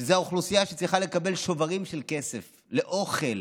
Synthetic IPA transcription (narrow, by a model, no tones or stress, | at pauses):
zeaoχlusijaʃe̥t͡sʁiχale̞kabe̞lʃo̞vaʁimʃelke̞sef | le̞ʔo̞χel